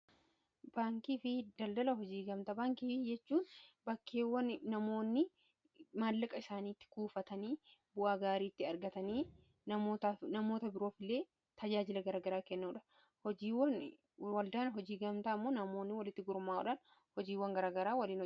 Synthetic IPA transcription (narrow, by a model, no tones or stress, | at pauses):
b̥aːŋkiːfɪd̪ɐld̪ɐlɐɦɔd͡ʒiːɡɐmt̪ɐbaːŋkiːɪd͡ʒɛt͡ʃːuːnbɐkːe̞ːwːɐnːɐmo̞ːnːɪ | maːlːɐkʼɐɪsaːniːt̪ːɪ̥kuːfɐt̪ɐniːbʊʔaːɡaːɾiːt̪ːɪɐɾɡɐt̪ɐniː | nɐmoːt̪anɐmo̞ːt̪ɐbɪɾo̞ːfɪlːe̞ː | t̪ɐd͡ʒaːd͡ʒɪlɐɡɐɾaːɡɐɾaːkɛnːuːᶑɐ̥ | hɔd͡ʒiːwːɐn | wɐld̪aːnɦɔd͡ʒiːɡɐmt̪amːo̞ːnɐmo̞ːnːɪwɐlɪt̪ːɪɡʊɾmaːɔ̰ᶑɐn | hɔd͡ʒiːwːɐŋɡɐɾaːɡɐɾaːwɐliːn